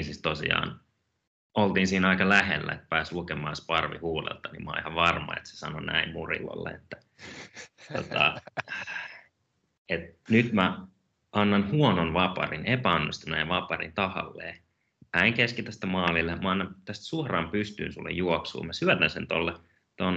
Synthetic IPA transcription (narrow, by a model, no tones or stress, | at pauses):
sist̪osḭɑ̰ːn | olt̪iːnsiːnɑikɑlæhelːæ̰et̪pæːslukemˑɑːspɑrʋḭhuːlḛlt̪ɑnimɑ̰ːihɑʋʋɑrmɑ̰ḛt̪se̥sɑnonæ̰immurḭʋo̰lːḛḛt̪ːæ̥ | t̪ot̪ɑ̰ | et̪nyt̪mæ | ɑnːɑnhuononʋɑpɑ̰rinepæɑnːist̪unæjʋɑpɑrḭnt̪ɑhɑ̰lːḛː | pæiŋkeskit̪æst̪æmɑːlilːemɑɑnːɑmt̪æst̪suɑrɑːmpyst̪y̰ːnsulːḛjjuoksṵːmæsyæt̪ænsent̪olːe | t̪on